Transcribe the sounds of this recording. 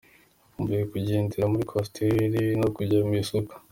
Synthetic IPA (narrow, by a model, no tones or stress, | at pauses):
umuɾiekuɟeːndiɾamuɾikʰostʰeɾinokuɾɟamisokḁ